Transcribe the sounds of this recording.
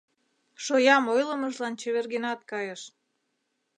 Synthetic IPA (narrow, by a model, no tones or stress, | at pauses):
ʃojɑmojlə̆məʒlɑnt͡ɕeβerɣenɑt̪kɑjəʃ